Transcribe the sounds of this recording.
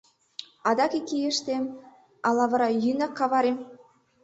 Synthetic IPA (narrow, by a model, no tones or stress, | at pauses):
ɑd̪ɑkikʲːijĕʃt̪em | ɑlˠɑβɤ̆ɾɑjynɑkːɑβɑɾem